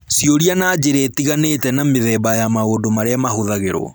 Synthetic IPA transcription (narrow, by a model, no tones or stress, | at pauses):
sioɾianad͡ʒeɾeːtiɣanetɛnameðɛːbajamaoːndomaɾeamaɦoðaɣeɾo̰